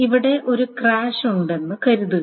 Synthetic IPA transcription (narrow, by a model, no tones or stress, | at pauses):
iʋiɽe̞ʔo̞ɾukraːɕuɳɖe̞nːɨkɐɾuðuɣ